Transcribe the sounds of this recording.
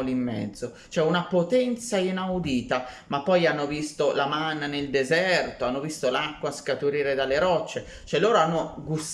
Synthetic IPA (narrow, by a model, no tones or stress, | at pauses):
limːɛ̰d̪zːo | t͡ʃoɛunapot̪ɛnt̪sainawd̪iːt̪amapːɔjanːovist̪olamanneld̪ezɛrt̪oanːovist̪olakːwaskat̪uɾiːɾed̪aleɾɔt͡ʃːe | t͡ʃoɛloːɾoanːoɡus